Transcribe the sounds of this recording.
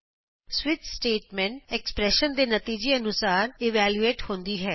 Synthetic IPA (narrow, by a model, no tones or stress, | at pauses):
sʋɪt̪sʈeːʈmɛ̃ːɳʈɛkspɾɛːʃənd̪eːnət̪iːd͡ʒeːənʊsaːɾɪʋɛːljueːʈhõːnd̪iːɦɛː